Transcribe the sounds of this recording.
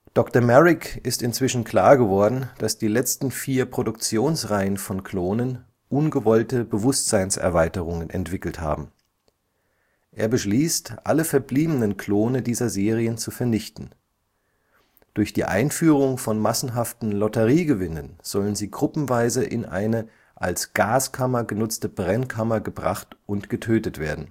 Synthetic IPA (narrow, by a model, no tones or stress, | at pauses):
d̥ɔktɐmɛʁɪkɪstɪnt͡sv̥ɪʃn̩kl̥aːɐɡəvɔɐdn̩d̥asd̥iːlɛt͡stn̩fiːɐpʁ̥odʊk̚t͡sjoːnsʁaɪənfɔnkʰl̥oːnən | ʔʊnɡəvɔltəbəvʊstz̥aɪnsɛ̰ɐvaɪtəʁ̞ʊŋənʔɛ̰ntv̥ɪkl̩tha̰ːbm̩ | ʔḛːɐbəʃliːstʔaləfɛɐbliːbənənkʰl̥oːnədiːzɐzeːʁ̞iənt͡sufɛɐnɪçtn̩ | d̥ʊɐçd̥ḭːʔa̰ɪnfyːʁʊŋfɔnmasn̩ɦaftn̩lɔtəʁiːɡəvɪnənz̥ɔlənziːɡʁʊpm̩vaɪzəʔɪ̰nʔa̰ɪnə | ʔa̰lsɡ̥aːskʰamɐɡənʊt͡stəbʁɛnkʰamɐɡəbʁa̰χtʔʊntɡ̥ətʰøːtətv̥ḛːɐdn̩